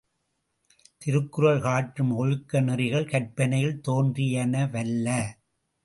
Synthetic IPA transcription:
t̪ɪɾɯkːɯɾɐɭɣaːʈːɯmɔɻɯkːɐnɪrɪɣɐɭkɐʈ̚pɐnɐjɪlt̪oːndrɪjɐnɐʋɐlːɐ

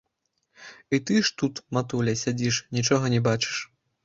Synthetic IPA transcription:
it̪ɨʂt̪ut̪mat̪ulʲɐsʲad͡zʲiʂnʲit͡ʂɔɣɐnʲɛbat͡ʂɨ̥ʂ

